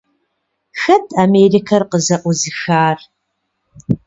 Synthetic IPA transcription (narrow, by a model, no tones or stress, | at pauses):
xɐtʰameːrikʰɐrqəzɐʔʷʊzɨxaːr